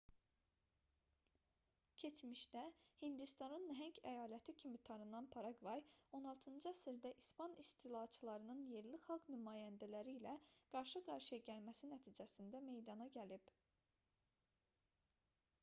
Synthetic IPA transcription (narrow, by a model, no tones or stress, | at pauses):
cʰe̞t͡ʃmiʃt̪æhind̪ist̪ɑnɯnːɦæɲcʰæjɑːlæt̪ʰicʰimit̪ʰɑnɯnɑnpʰɑɾɑɡvɑjo̞nɑlˠt̪ʰɯnd͡ʒɯæsiɾd̪æʔispɑnist̪ʰilˠɑt͡ʃʰɯlˠɑɾɯnɯnje̞ɾlixɑlˠɡnymɑːjænd̪ælæɾiːlæɡ̥ɑɾʃɯɡɑɾʃɯjɑɟælmæsinæt̪ʰiːd͡ʒæsind̪æme̞jd̪ɑnɑɟælib̥